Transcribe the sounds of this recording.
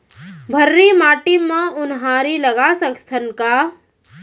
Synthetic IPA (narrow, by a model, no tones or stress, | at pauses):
bʱəɾːimaːʈimãʊnɦaːɾilɐɡasəkt̪ʰənkaː